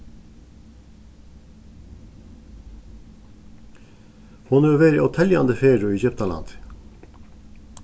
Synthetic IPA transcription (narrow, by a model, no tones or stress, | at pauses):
foːnøːʋeːɾɪɔːt̪ʰɛljɑ̰nd̪əfeːɖʉiːçœpt̪ɑlɑ̰nt̪